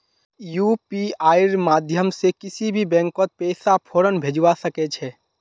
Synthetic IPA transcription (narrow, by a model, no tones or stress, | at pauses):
jupiaːɪɾmaːd̪ʱjəmsekɪsibʱibɛ̃ːŋkɔt̪̚pɛːsapʰoːɾənbʱed͡ʒwasəkɛt͡ʃʰɛ